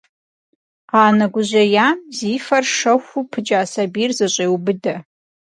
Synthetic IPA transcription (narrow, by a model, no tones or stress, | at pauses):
ʁaːnɐɡʷʊʑɐjaːmziːfɐrʂɐxʷupʰɨd͡ʒʼaːsabiːrzɐɕʼeːwubɨdɐ